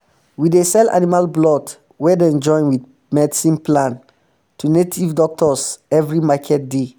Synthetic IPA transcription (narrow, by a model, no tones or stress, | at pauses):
widesɛla̰nimalblɔd | wɛdɛ̃nd͡ʒɔ̃ɪ̃nwiθ | mɛdisĩnplãn | tʰunetʰivdɔk̚tɔsɛvɹimakʰɛt̚de